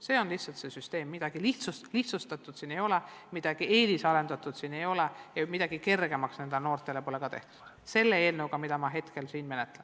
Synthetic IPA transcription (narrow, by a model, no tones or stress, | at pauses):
se̞ːo̞nliht̪sɑlt̪se̞syst̪e̞ːmːid̪̥ɑɡ̥iliht̪susliht̪sust̪ɑt̪ːˑud̪̥siːne̞jo̞lemid̪̥ɑɡ̥ieːlisɑɾe̞nd̪̥ɑt̪ːˑud̪siːne̞jo̞lejɑmid̪̥ɑɡ̥ike̞rɡe̞mɑksne̞nd̪eno̞ːrt̪ˑe̞lepo̞leɡ̥ɑt̪e̞̰ht̪u̥d̪̥ | se̞lːe̞e̞ːlnəwɡɑmid̪ɑmɑɦe̞t̪ke̞lsiːnme̞net̪ːˑlen